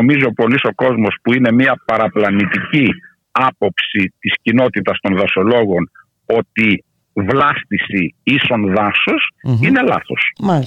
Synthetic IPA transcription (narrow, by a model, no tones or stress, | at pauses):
omizo̞po̞liso̞ko̞zmo̞spuine̞miɐpɐɾɐplɐnit̪ici | ɐpo̞psit̪iscino̞t̪it̪ɐst̪o̞nðɐso̞lo̞ɣo̞n | o̞t̪i | vlɐst̪isiiso̞nðɐsosine̞lɐ̰θo̞s